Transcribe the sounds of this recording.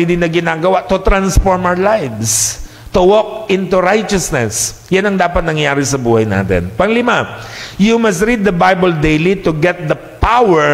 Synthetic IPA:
id̪inɐɡɪnaːɡɐwaʔt̪ʊt̪ɾansfɔɹmawlajvs | t̪ʊwɔk̚ɪ̃nt̪uɾajt͡ʃɐsnɛs | janɐŋd̪aːpɐt̪̚nɐŋjaːɾɪsɐbuːhɐjna̰ːt̪ɛ̰npɐŋlɪmajumɐst̪ɾid̪ːɐbajbɐld̪ejlit̪ʊɡɛt̪̚d̪ɐ | pawɛ

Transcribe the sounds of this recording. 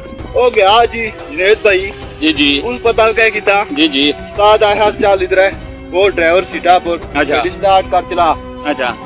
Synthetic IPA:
oːɡjaːd͡ʒiː | neːt̪̚bʱaːiː | d͡ʒiːd͡ʒiːʊnpət̪ãːkɛːkɪt̪aːd͡ʒiːd͡ʒiːst̪aːd̪aːɦaːst͡ʃaːlːɪd̪ɾae | koːɖɾaːʋəɾsɪʈaːpəɾəʃʰaːbɪst̪aːʈ̚kəɾt͡ʃəlaː | ətːt͡ʃʰaː

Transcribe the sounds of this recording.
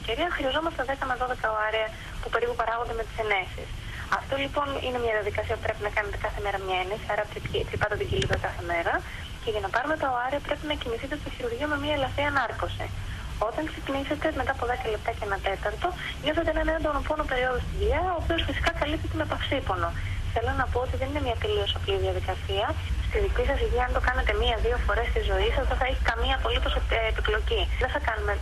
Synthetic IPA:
ceɾiɐxɾiɐzo̞mɐst̪eðe̞kɐmeðo̞ðe̞kɐoɐɾiɐ | pupe̞ɾipupɐɾɐɣo̞nd̪eme̞t̪i̥se̞ne̞sḭs | ɐft̪o̞lipo̞nḭne̞mɲɐðiɐðikɐsiɐpupɾe̞pinɐkɐnet̪e̞kɐθe̞me̞ɾɐmɲɐenesiɐɾɐt̪ɾit̪ɾipɐt̪et̪iɲɟilit̪ɾɐkɐθe̞me̞ɾɐ | ce̞ʝɐnɐpɐɾumet̪ɐoɐɾiɐpɾe̞pinɐciniθit̪est̪oçiɾuɾʝiɐme̞miɐelɐfiɐnɐɾko̞sḭ | o̞t̪ɐŋksecinise̞t̪e̞me̞t̪ɐpo̞ðe̞kɐle̞p̚t̪ɐceenɐt̪e̞t̪ɐɾt̪o̞ | mɲosθet̪eenɐenɐɐnd̪onopo̞nope̞ɾio̞ðost̪iðʎɐoːpio̞sfisi̥kɐkɐlip̚t̪et̪eme̞pɐfsipo̞no̞θe̞lonɐpo̞ot̪iðe̞nine̞mɲɐt̪elio̞sɐpliðiɐðikɐsiɐst̪iðicisɐsiʝiɐnt̪o̞kɐnet̪e̞miɐðio̞fo̞ɾe̞st̪izo̞isɐzðeθɐeçikɐmiɐpo̞lit̪o̞seːpiplo̞ciðeθɐkɐnume̞

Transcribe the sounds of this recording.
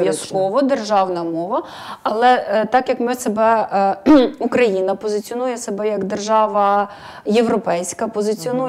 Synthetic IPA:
jɐskɔʋɔd̪erʒɑwnɐmɔʋɐ | ɐlˠɛt̪ɑkjɐkmɪsebɛ | ukɾɐjinɐpɔzɪt͡sʲiɔnujɛsebɛjɐɡd̪erʒɑʋɐ | jewɾɔpɛjsʲkɐpɔzɪt͡sʲiɔnu

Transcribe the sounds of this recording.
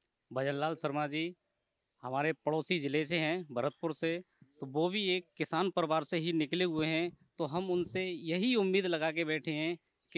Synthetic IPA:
bɐd͡ʒənlaːlsəɾmaːd͡ʒi | hɐmaːɾepəɽoːsid͡ʒɪleseɦɛ̃bʱəɾət̪̚pʊɾset̪oʋobʱieːkːɪsaːnpəɾwaːɾseɦinɪkleɦʊeɦɛ̃t̪oɦɐmʊnsejɐɦiʊmːiːd̪lɐɡaːkebɛːʈʰeɦɛ̃ | k

